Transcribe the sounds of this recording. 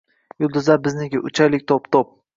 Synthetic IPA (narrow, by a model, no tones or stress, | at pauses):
jʊlˠd̪ʊzabɪznɪkʲɪʔʊt͡ʃʰajlɪkʲt̪ʰopt̪ʰop̚